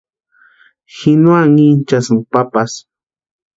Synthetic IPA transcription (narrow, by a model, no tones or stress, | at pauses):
xɪnwaŋint͡ʃasŋpapas